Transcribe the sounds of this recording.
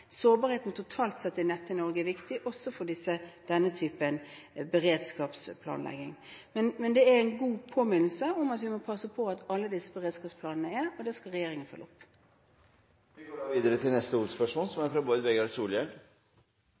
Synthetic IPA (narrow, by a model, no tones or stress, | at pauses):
soːbɑːɾheːt̪n̩t̪ʰʊt̪ʰɑːlt̪sɛt̪ːəɪnɛt̪ːənɔɾɡəɛʋɪkt̪ɪʔɔsːɔfɔɖ̪ɪsːəd̪̥ɛnːət̪ʰyːpənbəɾeːd̪skɑːpspʰlɑ̰ːnlɛ̰ɡɪŋmɛnmɛnd̪ɛæɾɛɪnɡuːpʰoːmɪnl̩səɔmɑt̪ʋɪmɔpʰɑsəpʰɔɑt̪ɑlːəd̪ɪsːəbəʁeːd̪skɑːpspʰlɑːnənəæɾɔd̪ɛskɑlʁɛjeːɾɪŋənfœ̰lʔʊpː | ʋɪɡoːɖɑːʋiːd̪əɾət̪ʰɪlnɛst̪əuːspæʂuːnsɔmæɾfɾɑboːd̪ʋɛɡɑɾsuːljɛl